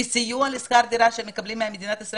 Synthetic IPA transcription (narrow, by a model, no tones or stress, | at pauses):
isijuɐliskaɾd̪iɾaʃemikɐblimamʲid̪inat̪əsɾ